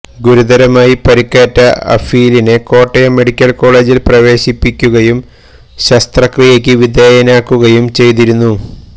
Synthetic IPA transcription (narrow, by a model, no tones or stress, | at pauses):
ɡuɾud̪ɐɾɐmaːjipɐɾikːaːtːɐɐ̰fiːlineko̞ːʈːɐjɐme̞ɽikʲːɐlko̞ːɭe̞ːd͡ʑilprɐʋe̞ːɕipːikʲːuɣɐjum | ɕɐst̪rɐkrijekʲːɨʋid̪eːjɐnaːkːuɣɐjumt͡ɕe̞jt̪iɾunːu